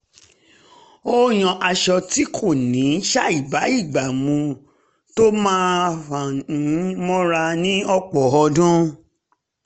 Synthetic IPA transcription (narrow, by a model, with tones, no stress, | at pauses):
o˦j̃ɔ̃˧ʔa˧ʃɔ˧ti˦kʰo˦˨nĩ˨˦ʃa˦i˦˨ba˨˦i˦˨ɡ͡ba˨mũ˧ | to˦mãː˦fã˨˦ | mɔ̃˦ɾa˧nĩ˦ɔ˦k͡pɔ˨ɔ˧dũ˦